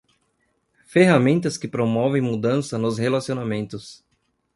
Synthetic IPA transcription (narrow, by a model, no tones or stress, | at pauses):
feɦamẽnt̪ɐskɪpɾomɔvẽj̃mud̪ɐ̃sɐnʊzhelasionamẽnt̪ʊs